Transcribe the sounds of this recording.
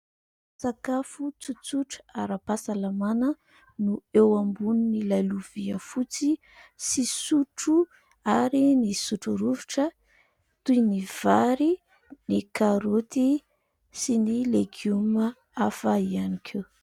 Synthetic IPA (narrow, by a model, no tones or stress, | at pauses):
sakafut͡sut͡suʈ͡ʂaɾapasalamanə | nuewambununilajluv̥iəfut͡si | sisuʈ͡ʂu | aɾinisuʈ͡ʂuɾuviʈ͡ʂə | t̪ujniv̥aɾi | nikaɾut̪i | sinileɡumə | afaianikʰe